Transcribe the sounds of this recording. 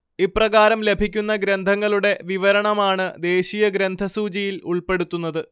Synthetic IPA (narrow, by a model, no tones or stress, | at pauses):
iprɐɣaːɾɐmle̞bʱikʲːunːɐɡɾɐnd̪ʱɐŋːɐɭuɽe̞ʋiʋɐɾɐɳɐmaːɳɨd̪e̞ːɕijɐɡɾɐnd̪ʱɐsuːt͡ɕijiluɭpe̞ɽut̪ːunːɐðɨ